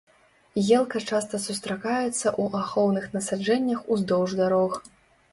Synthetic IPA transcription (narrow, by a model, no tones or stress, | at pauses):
jɛlˠkɐt͡ʂast̪ɐsust̪ɾakajɛt̪sːɐʔuʔaxɔwnɨxnɐsad͡ʐɛnʲːɐxuzd̪ɔwʐd̪aɾɔx